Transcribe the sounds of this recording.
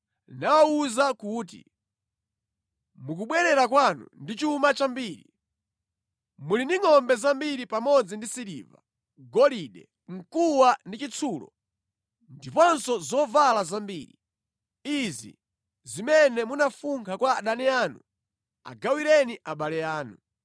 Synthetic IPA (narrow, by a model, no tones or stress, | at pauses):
nawauzakuːt̬ḭ | muk̬uɓwɛɾɛɾakwanṵndit͡ʃuumat͡ʃambiːɾḭ | muliniŋɔmbɛzambiɾipamɔd͡zindisiɾḭːva̰ | ɡɔliɗɛ̰ | ŋ̩kuwandit͡ʃit͡sʰuːlɔ̰ | ndipɔnsɔzɔvalazambiːɾi | izḭ | zimɛnɛmunafuŋkʰakwaɗaniaːnu | a̰ɡawiɾɛniʔaɓalɛaːnu